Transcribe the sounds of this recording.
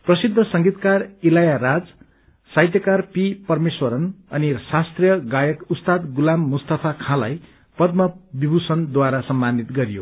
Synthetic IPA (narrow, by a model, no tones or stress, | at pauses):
prʌsid̪ʱːʌsʌŋɡit̪karilajaɾad͡z | sajt̪jʌkarpipʌrmeswʌɾʌnʌnirsast̪rjʌɡajʌkust̪ad̪ɡulamːust̪ʌpʰakʰãlaj | pʌd̪̚mʌbibʱusʌnd̪waɾasʌmːanit̪ɡʌɾijo̰